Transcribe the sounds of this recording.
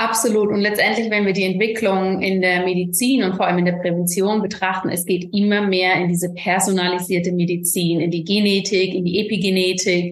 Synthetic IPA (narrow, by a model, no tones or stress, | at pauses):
ʔapz̥oluːtʊntlɛt͡stʔɛntlɪçvɛnviːɐdiːɛntv̥ɪkʰlʊŋɪndeːɐmedit͡siːnʊntfoɐʔaləmɪndeːɐpʁ̥ɛvɛnt͡sjoːnbətʁ̥aχtn̩ɛ̰sɡ̥eːtʔɪmɐmeːɐɪndiːzəpʰɛɐzonaliziːɐtəmedit͡siːnɪndiːɡeneːtʰɪkɪndiːʔepiɡeneːtʰɪk